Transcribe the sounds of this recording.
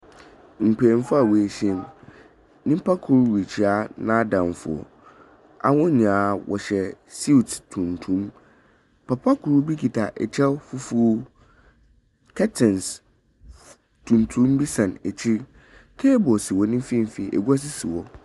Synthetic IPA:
ŋ̩˨k͡pʰɛ˨ɛ˨m˦fʊ˦a˨wɔ˨æ˨ɕɛ̃˦m | nĩ˦pʰa˦kʰʊ˨ɾwi˨t͡ɕʰi˨a˦nã˦dã˨mfʊ̰˨ɔ̰˨ | a̰˨wʊ̃˦ɲ˨ãː˨˦wɔ̰˨ɕɛ˨si˦˨ttʰũ˨ntʰũ˦m | pʰa˨pʰa˦kʰu˨ɾu˦bi˦kʰi˨tʰa˨ʔɛ̰˨t͡ɕʰɛ˦wfu˦fu˦o˦ | kʰɛ˦tʰɛ̃˨ns | tʰũ˨n˨tʰu˨˦m˦bi˦sã˨næ˨t͡ɕʰi˦ | tʰɛː˦bɔ˨sɪ˨wɔ˦nĩ˦m˦fĩ˦m˨fi˨ʔɛ̰˨ɡu˦a˦s̬ɪ˦sɪ˨wɔ˨

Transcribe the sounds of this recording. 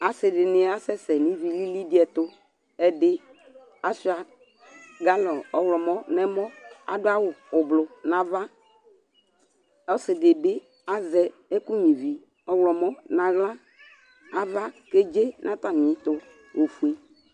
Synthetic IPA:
a˨sɪ˨dɪ˨nɪ˦a˦sɛ˦sɛ˨nĩ˨˦vi˨li˦li˦dɪ˦ɛ˨tʊ˦ | ɛ˨dɪ˦ | a˨si˦a˨ | ɡa˦lɔ˨ɔ˨wlɔ˨mɔ˦nɛ˦mɔ˦a̰˨dʊ˦a˦wʊ˨ʊ˨blʊ˨nã˨va˦ | ɔ˦sɪ˨dɪ˨bɪ˦ | a˦zɛ˨ | ɛ˦ku˦ɲĩ˨vi˨ | ɔ˨wlɔ˨mɔ˦nã˨ɣla˦ | a˨va˦ke˦d͡ʒe˦nʔã˦ta˨mɪ̃˨˦tʊ˦ | o˨fu˨e˦

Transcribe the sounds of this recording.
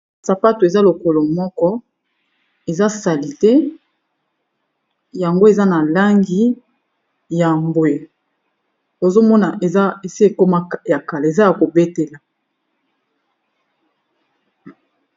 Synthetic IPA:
sa˨pa˦to˨e˨za˦lo˨ko˨lo˨mɔ˦kɔ˦ | e˨za˦sa˨li˨tɛ˦ | ja˨ŋɡo˦e˨za˦na˨la˦ŋɡi˦ | ja˨mbwe˨ | to˨zo˦mɔ˦na˨ʔe˨za˦e˨si˦e˨ko˦ma˦ja˨ka˨la˨e˨za˦ja˨ko˨be˦te˨la˨

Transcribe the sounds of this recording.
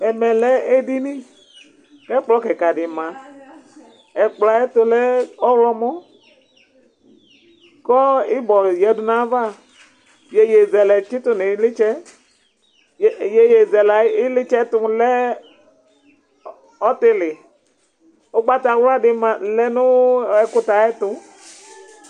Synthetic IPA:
ɛ˨mɛ˨lɛ˦e˦di˦nĩ˦ | kɛ˦k͡plɔ˦kɛ˨ka˨dɪ˨mã˨ | ɛ˨k͡pla˨ɛ˦tʊ˧lɛ˦ɔ˦wlɔ˦mɔ˦ | kɔ˦ɪ˦bɔ˨jɛ˨dʊ˨nã˦va˦ | je˨je˨zɛ˨lɛ˨t͡ʃɪ˦t̪ʊ˦ne˨˦lɪ˦t͡ʃɛ˦˨ | je˦je˨zɛ˨la˨˦ɪ˦lɪ˦t͡ʃɛ˦tʊ˦lɛ˦ | ɔ˦tɪ˦lɪ˨ | o˦ɡ͡ba˦t̪a˨wla˦dɪ˨mã˨lɛ˦nʊ̃˦ɛ˨kʊ˦ta˨ɛ˦tʊ˧

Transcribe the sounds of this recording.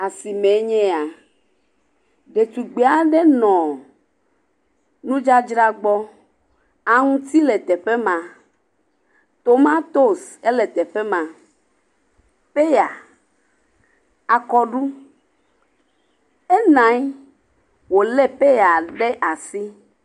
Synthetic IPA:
a˨si˨mɛ̃˨˦ɲɛ̃˦a˨ | ɖe˨t̪u˨ɡ͡be˨˦a˦ɖɛ˦nɔ̃˨ | nũ˦d͡ʒa˦d͡ʒɾa˦ɡ͡bɔ˦ | a˨ŋũ˦t̪i˦lɛ˨t̪ɛ˨ɸɛ˦mã˨ | t̪o˨mã˦t̪o˦˨se˦lɛ˨t̪ɛ˨ɸɛ˦mã˨ | pe˦ja˨ | a˨kɔ˦ɖu˦ | e˦nã˨˦j | wo˨lɛ˦pe˦ja˨ɖe˦ʔa˨si˦

